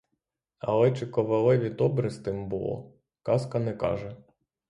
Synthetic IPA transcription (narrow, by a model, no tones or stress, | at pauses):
ɐ̰lˠɛt͡ʃɪkɔʋɐlˠɪʋʲid̪ɔbɾɪst̪ɪmbʊlˠɔ̰ | kɑskɐnɛkɑ̰ʒɛ